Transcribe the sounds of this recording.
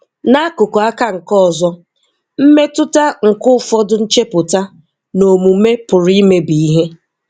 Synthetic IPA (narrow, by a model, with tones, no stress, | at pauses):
na˦kʊ˨ko˨a˦ka˦ŋ̩˨kɔ˦ɔ˨zɔ˦ | m̩˦me˦tʊ˦ta˦ŋ̩˨kʊ˦fɔ˦dʊ˦n̩˦t͡ʃe˦pʊ˨ta˦ | no˨mu˨˦me˦pʊ˨ɾi˦me˦bi˨i˦ɦe˦